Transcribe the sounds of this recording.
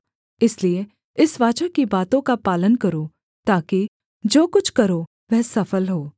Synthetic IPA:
ɪslie | ɪsʋaːt͡ʃakibaːt̪õkapaːlənkɐɾoː | t̪aːki | d͡ʒoːkʊt͡ʃʰkɐɾo | ʋɛɦsɐfəlɦoː

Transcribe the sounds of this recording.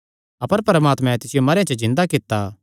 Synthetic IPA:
ɐpəɾpɐɾəmaːt̪mɛ̃t̪ɪsɪjomɐɾejãt͡ʃəzɪ̃nd̪akɪt̪ːa

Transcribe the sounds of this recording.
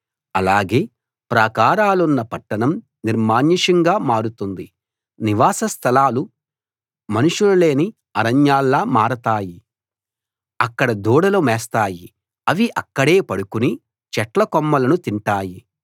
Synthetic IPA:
ɐlaːɡe̞ː | pɾaːkaːɾaːlunːɐpɐʈːɐnɐm | niɾmaːɲiʂɐŋɡaːmaːɾut̪und̪i | niʋaːsɐst̪ʰɐlaːlu | mɐnuʂuɽɐle̞ːni | ɐɾɐɲjaːlːaːmaːɾɐt̪aːji | ɐkːɐɽɐd̪uːɽɐloːmɛːst̪aːji | ɐʋiʔɐkːɐɽe̞ːpɐɽukuni | t͡ʃɛʈlɐkɔmːɐlɐnut̪iɳʈaːji

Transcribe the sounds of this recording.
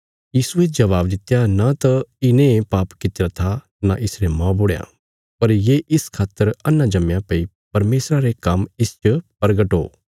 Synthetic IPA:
jiːsued͡ʒɐʋaːbd̪ɪt̪ːejanat̪ɐɪnẽpaːpkɪt̪eɾat̪ʰa | naʔɪsɾemãboːɽja̰ | pɐɾjeːʔɪskʰaːt̪ːəɾɐnːãd͡ʒɐmːjãpɐi | pɐɾmeːsɾaɾekɐmɪst͡ʃpɐɾɡəʈɦo̰ː

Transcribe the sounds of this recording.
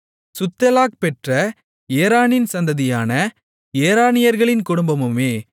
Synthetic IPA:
sʊt̪ːɐlaːk̚pɛʈrɐ | eːɾaːnɪnsɐnd̪ɐðɪjaːnɐ | eːɾaːnɪjɐɾɣɐɭɪnkʊɽʊmbɐmɯmeː

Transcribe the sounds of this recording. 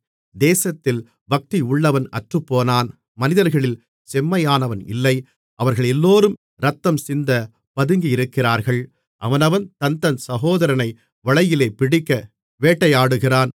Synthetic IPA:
d̪eːsɐt̪ːɪl | bɐk̚t̪iʊɭːɐʋɐnɐ̰ʈrɯpːoːnaːn | mɐnɪðɐɾɣɐɭɪl | sɛmːɐjaːnɐʋɐnɪ̰lːɐɪ | ʔɐʋɐɾɣɐɭɛlːoːɾɯm | ɾɐt̪ːɐmsɪnd̪ɐ | pɐðɯŋɡiɪɾɯkːɪraːɾɣɐɭ | ʔɐʋɐnɐʋɐnt̪ɐnt̪ɐnsɐɣoːðɐɾɐnɐɪ | ʋɐɭɐjɪleːpɪɽɪkːɐ | ʋeːʈːɐɪjaːɽɯɣɪraːn

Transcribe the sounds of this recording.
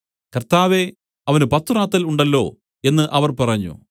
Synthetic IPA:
kɐrt̪aːʋe̞ | ɐʋɐnupɐt̪ːuraːt̪ːɐluɳɖɐlːo̞̰ː | e̞nːɨʔɐʋɐrpɐrɐɲːṵ

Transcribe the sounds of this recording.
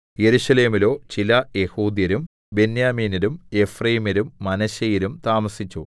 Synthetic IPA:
je̞ɾuɕɐle̞ːmilo̞ːt͡ɕilɐje̞huːd̪jɐɾum | benjaːmiːniɾume̞frɐjimiɾumːɐnɐɕɐjiɾumt̪aːmɐsit͡ɕːu

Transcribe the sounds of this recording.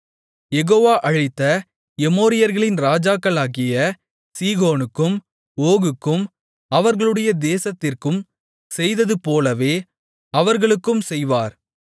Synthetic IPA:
jɛɣoːʋaːʔɐɻɪt̪ːɐ | ɛmoːɾɪjɐɾɣɐɭɪnɾaːd͡ʒaːkːɐlaːɣɪjɐ | siːɣoːnɯkːɯm | oːɣɯkːɯm | ɐʋɐɾɣɐɭɯɽɐjɐd̪eːsɐt̪ːɪrkɯm | sɛjðɐðɯpoːlɐʋeː | ɐʋɐɾɣɐɭɯkːɯmsɛjʋaːɾ

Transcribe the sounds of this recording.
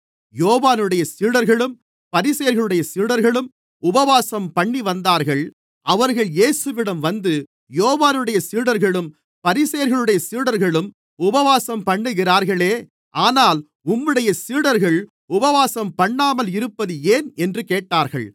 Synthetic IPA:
joːʋaːnɯɽɐjɐsiːɽɐɾɣɐɭɯm | pɐɾɪsɐjɐɾɣɐɭɯɽɐjɐsiːɽɐɾɣɐɭɯm | ʊbɐʋaːsɐmpɐɳːiʋɐnd̪aːɾɣɐɭ | ʔɐʋɐɾɣɐɭjeːsɯʋɪɽɐmʋɐnd̪ɯ | joːʋaːnɯɽɐjɐsiːɽɐɾɣɐɭɯm | pɐɾɪsɐjɐɾɣɐɭɯɽɐjɐsiːɽɐɾɣɐɭɯm | ʊbɐʋaːsɐmpɐɳːɯɣɪraːɾɣɐɭeː | ʔaːnaːl | ʊmːɯɽɐjɐsiːɽɐɾɣɐɭ | ʊbɐʋaːsɐmpɐɳːaːmɐlɪɾɯpːɐðɯeːnɛndrɯkeːʈːaːɾɣɐ̰ɭ

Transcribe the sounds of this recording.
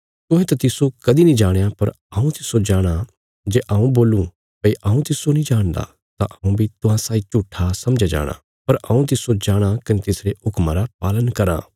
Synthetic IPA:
t̪ʊ̃ɦɛ̃t̪ɐt̪ɪsokɐd̪inĩd͡ʒaːɽejapɐɾ | ɐːũt̪ɪsod͡ʒaːɽ̃a | d͡ʒeːʔaũboːlũ | pɐiʔaːũt̪ɪsonĩd͡ʒaːɽ̃d̪a̰ | t̪ãʔɐũbʱit̪ʊɦãsaːit͡ʃuːʈʰːasɐmd͡ʒad͡ʒa̰ːɽ̃a̰ | pɐɾʔɐ̰ũt̪̬ɪsod͡ʒaːɽ̃akɐnet̪ɪsɾeʊkmaɾap̚aːlənkɐɾã̰ː

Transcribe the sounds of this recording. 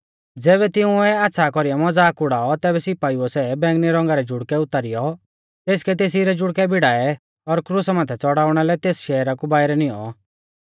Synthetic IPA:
d͡zɛːβɛt̪ɪũɛaːtːsʰakɔɾijamɔd͡zaːkʊɽaːɔt̪ɛːbɛsɪpaːiɔsɛbɛ̃ːŋɡniɾɔ̃ŋɡaɾɛd͡ʒʊɽkɛʊt̪aɾɪjɔ | t̪eːskɛt̪eːs̬iɾɛd͡ʒʊɽkɛbɪɽaːɛ | ɔɾkɾʊsmãːt̪ʰɛt͡sɔɽaːʊɽ̃alɛt̪eːsʃɛːɾakubaːɪɾɛnijɔ̰

